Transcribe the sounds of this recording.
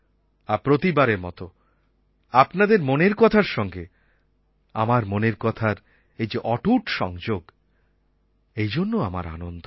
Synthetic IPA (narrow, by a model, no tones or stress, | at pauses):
apɾot̪ibaɾeɾmɔ̰t̪o | apnad̪eɾmoneɾkɔt̪ʰaɾʃɔŋɡe | a̰maɾmoneɾkɔt̪ʰaɾ | ejd͡ʑeʔɔʈuʈʃɔ̰ŋd͡ʑoɡ | ejd͡ʑonːoama̰ɾa̰nond̪ʱo